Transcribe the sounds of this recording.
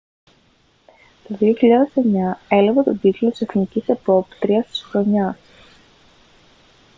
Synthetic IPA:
t̪o̞ðio̞çiʎɐðese̞ɲɐe̞lɐvet̪o̞ɟ̪iklot̪i̥se̞θnicisepo̞pt̪ɾiɐst̪i̥sxɾo̞ɲɐs

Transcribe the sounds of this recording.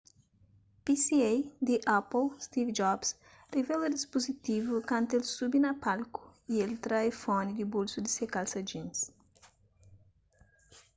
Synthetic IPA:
pisiejd̪iʔaplst̪ivd͡ʒɔbs | revɛlɐd̪ispozit̪ivukãnt̪elsubinɐpalku̥ielt̪ɾajfɔnid̪ibolsud̪isekalsɐd͡ʒĩns

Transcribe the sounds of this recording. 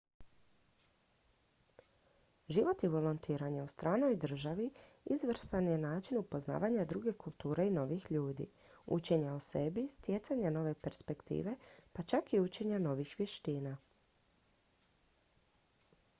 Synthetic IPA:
ʒiʋo̞t̪iʋo̞lont̪ʰiːɾaɲaust̪ɾaːno̞jd̪r̩ʒaʋiizʋɾ̩sanjenaːt͡ʃinupo̞zna̰ːʋaɲad̪ɾuɡe̞kulˠt̪uːɾe̞ino̞ʋixʎuːd̪ḭ | ṵt͡ʃe̞ɲaose̞bist̪jet̪saɲano̞ʋe̞pe̞ɾspe̞kt̪ḭːʋe̞pat͡ʃakiut͡ʃe̞ɲano̞ʋixʋje̞ʃt̪iːna

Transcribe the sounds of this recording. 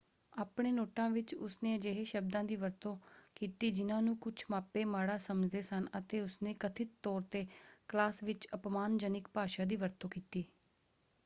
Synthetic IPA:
aːpɳeːnoːʈãːʋɪt͡ʃʊ̰sneːəd͡ʒeːɦeːʃəb̚d̪ãːd̪iːʋəɾt̪õːkiːt̪iːd͡ʒɪnãːnũːkʊt͡ʃʰmaːpeːmaːɽaːsəməd͡ʒd̪eːsənət̪eːʊsneːkət̪ʰɪt̪ːɔːɾt̪eːklaːsʋɪt͡ʃəpmaːnd͡ʒənɪkpaːʃaːd̪iːʋəɾt̪õːkiːt̪iː

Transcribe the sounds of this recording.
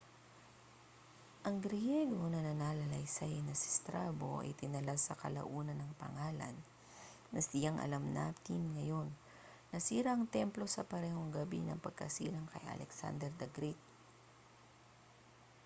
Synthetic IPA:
ʔɐŋɡɾɪjɛɡo̞nɐnɐnaːlɐlɐjsɐjnɐsɪ̥st̪ɾaːbo̞ʔɐ̰jt̪ɪnɐlasɐkɐlɐ̰ʔuːnɐnːɐŋpɐ̰ŋaːlɐ̰nː | ɐsɪjaŋʔɐ̰lamnɐ̰t̪imŋɐjo̞nː | ɐsiːɾaʔɐŋt̪ɛmplo̞sɐpɐɾɛːho̞ŋɡɐbḭnɐŋpɐɡ̚kɐsiːlɐŋkɐ̰jʔɐ̰lʔɛksa̰nd̪ɛɾd̪ɐɡɾit̪̚

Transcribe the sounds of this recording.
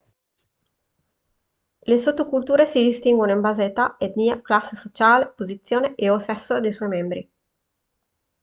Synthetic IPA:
lesot̪ːokult̪uːɾesid̪ist̪iŋɡwonimbazet̪aed̪niːaklasːesot͡ʃaːlepozit̪sjoːneʔeosɛsːod̪ejsɔjmɛmbɾḭ

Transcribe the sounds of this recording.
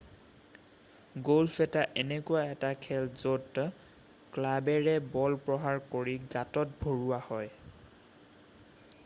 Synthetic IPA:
ɡolfʰɛtaʔɛnɛkuwaɛtakʰɛlzot | klabɛɹɛbɔlpɹɔɦaɹkoɹiɡatɔt̚bʱoɹuwahɔj

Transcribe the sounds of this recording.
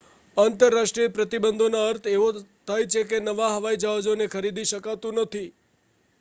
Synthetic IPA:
ant̪əɾːaʃʈɾiəpɾət̪ibənd̪ʱonaəɾt̪ʰeʋot̪ʰajt͡ʃʰekenəʋaɦəʋaid͡ʒaɦad͡ʒonekʰəɾid̪iʃəkat̪ũnət̪ʰi

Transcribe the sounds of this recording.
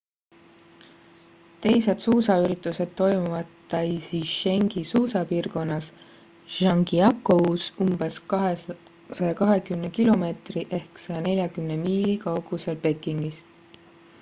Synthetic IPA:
t̪e̞jse̞d̪suːsɑyɾit̪ːˑuse̞d̪̥t̪o̞jmuvɑd̪t̪ːɑisiʃe̞ŋɡ̥isuːsɑpiːrko̞nːɑs | ʒ̥ɑŋɡiɑkːˑousumb̥e̞sɦe | sɑjɑkɑɦe̞kymnekilo̞me̞ːt̪riʔe̞hksɑjɑne̞lʲjɑkymnemiːlikɑwɡ̥use̞lpe̞kːˑiŋɡ̥ist̪

